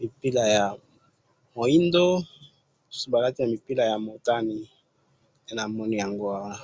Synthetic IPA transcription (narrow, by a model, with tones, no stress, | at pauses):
mi˨pi˦la˨ja˨ | mo˨i˦ndo˦˨ | su̥˦su˦ba˨la˦ti˦na˨mi˨pi˦la˨ja˨mo˨ta˦ni˨ | te˦na˨mɔ˦ni˦ja˨ŋɡo˦wa˦w